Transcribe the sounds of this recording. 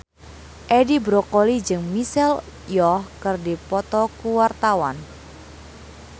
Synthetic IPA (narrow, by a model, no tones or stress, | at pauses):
ʔɛdibɾokolid͡ʒɨŋmisɛl | jɔhkɨrdipɔt̪ɔkuwart̪awan